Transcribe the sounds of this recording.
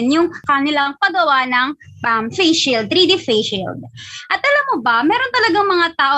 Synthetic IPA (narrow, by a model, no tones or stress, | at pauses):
njʊŋkɐnɪlaŋpɐɡɐwanɐŋ | ɐmfɛjʃild̪̚t̪ːɾid̪ifɛjʃild̪̚ʔɐt̪̚ʔɐlamːobɐmɛːɾo̞nt̪ɐlɐɡaŋmɐŋat̪aːʔo